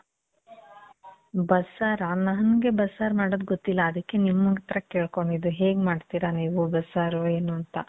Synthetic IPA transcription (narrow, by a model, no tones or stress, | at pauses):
bɐsaːɾaɐnɐɦɐnɡe̞bɐsaːɾmaːɽoːd̪ɡot̪ːilːɐːd̪ɐkːe̞nimːɐɡɐt̪ɐɾɐkeːɭko̞ɳɖid̪ːuɦe̞ːɡmaːɖt̪iɾaniːʋubɐsaːɾoeːnuɐnt̪ɐ̰